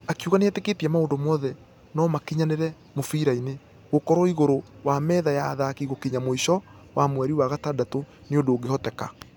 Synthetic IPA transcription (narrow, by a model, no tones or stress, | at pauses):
akeuɣaneateketiɛmaoːndomɔːðɛ | nɔmakiɲaneɾɛ | mofiɾaine | ɣokɔɾɔiɣoɾowamɛːðajaðaːkiɣokiɲamoiʃɔ | wʔamwɛɾiwaɣatadato | neondoːɡehɔtɛka̰